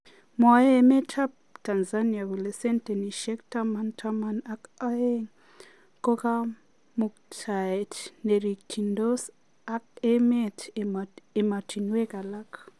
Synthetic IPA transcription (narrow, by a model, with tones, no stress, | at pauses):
mɔ˨je˦me˦tʰa˦p̚ | ta˨nza˦ni˨a˨ku˨le˨sɛ˦nte˨ni˨ʃɛ˦k̚tama˦ntʰa˦ma˦na˦ka˦e˦ŋ | ko˦ka˦ | mu˨k̚tʰa˨e˨tne˨ɾi˨k̚tʰi˨ndo˦s | a˦ke˦me˦tʰ | e˨ma˨tʰi˨nwe˦ka˨la˦k